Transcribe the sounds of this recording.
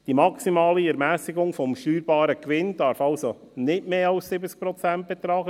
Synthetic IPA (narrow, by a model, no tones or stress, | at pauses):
d̥imɑksimɑːliɛɾmæːsɪɡʊŋfɔmʃtyːɾbɑːɾəkʋɪnd̥ɑɾfɑlso | nɪtmeːɑlssɪbət͡sk̚pɾɔt͡sænt̚b̥ɛt̪ɾɑːɡə